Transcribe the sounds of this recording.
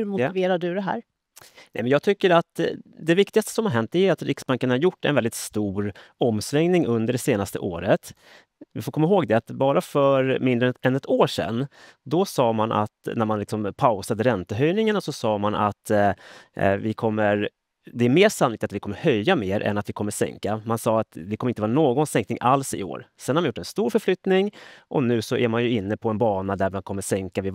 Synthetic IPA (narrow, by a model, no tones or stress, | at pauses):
hmʊveːɾad̪ɵd̪ɛɦæ̰ːɾ | nɛ̰mɛnjɑːɡ̚t̪ʰʏkːəɾat̪d̪ɛvɪkt̪ɪɡast̪ə̥sɔmhaɾɦɛnt̪̚d̪ɛʉat̪ɾɪksbaŋkənhaɾjʊʈːɛ̰nvɛld̪ɪt̪st̪uːɾɔmːsɾɛŋnɪŋɵnd̪əɖɛseːnast̪ə̰ʔoːɾət̪ | vɪfoːɾkʰɔmːaɦoːɡd̪ɛat̪bɑːɾafœɾmɪnd̪ɾəɛnɛt̪ʰoːʂɛ̰nːd̪ɔsɑːmanʔa̰t̪næɾmanlɪksɔmpʰaʊsad̪əɾɛnt̪əɦœjnɪŋaɳasɔsɑːmanʔa̰t̪ | vɪkʰɔmːəɾ | d̪ɛæɾmeːʂanːʊlɪk̚t̪at̪vɪkʰɔmːəɾhœjːameːɾʔɛ̰nat̪vɪkʰɔmːəʂɛ̰ŋkamansɑːat̪vɪkʰɔməɾɪnəɑːɾanoːɡɔnsɛŋknɪŋʔalsɪ̰o̰ːɾsɛnhaɾmanjʊːɛnst̪uːɾfœɾflʏt̪nɪŋʔɔnʉ̟ːsɔʔæɾmanjɵɪnːəpʰɔɛnbɑːnad̪æɾmankʰɔmːəʂɛŋkavɪ